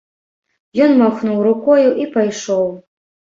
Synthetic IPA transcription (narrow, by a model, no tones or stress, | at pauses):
jɔnmaxnuwɾukɔjuʔipajʂow